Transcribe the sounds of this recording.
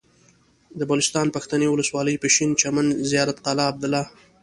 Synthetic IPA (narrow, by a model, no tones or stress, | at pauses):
d̪əbalɪst̪ɑnpaxt̪anewʊləswɑləjpəʃint͡ʃamanzijɑɾat̪qɑlɑːb̚d̪ɪlɑ